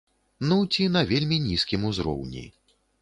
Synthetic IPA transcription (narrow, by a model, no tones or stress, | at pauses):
nut͡sʲinɐvʲelʲmʲinʲiskʲimuzɾɔ̰wnʲḭ